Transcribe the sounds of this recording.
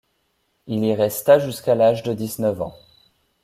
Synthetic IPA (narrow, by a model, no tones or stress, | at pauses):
iliʁɛst̪aʒyskalaʒd̪əd̪iznəvɑ̰̃